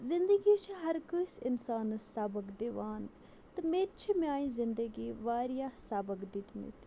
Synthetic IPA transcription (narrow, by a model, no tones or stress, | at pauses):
zɪnd̪əɡit͡ʃʰiɦɐɾkəisɪnsaːnsaːbəkd̪eʋaːn | t̪ɐmeːtt͡ʃʰimaːĩːzɪnd̪əɡiːʋaːɾijaːsaːbəkd̪it̪nḭt̪